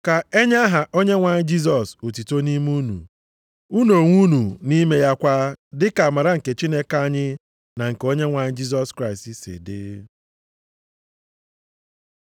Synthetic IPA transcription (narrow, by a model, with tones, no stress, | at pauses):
ka˨e˦ɲa˦ɦa˨ʔo˦ɲe˦ŋʷa˨ɲɪ˦d͡ʒi˦s̬ɔ˨so˨ti˨to˦ni˦mu˦nṵ˨ | u˦no˨ŋʷu˦nu˨ni˦me˦ja˦kʷa˦dɪ˦ka˨a˨ma˨ɾa˦ŋ̩˨ke˨t͡ʃi˦ne˦ka˦ɲɪ˦ | na˨ŋ̩˨ke˨o˦ɲe˦ŋʷa˨ɲɪ˦d͡ʒi˦s̬ɔ˦skɾa˦ɪ˨sti˨sɪ̰˨dɪ̰˦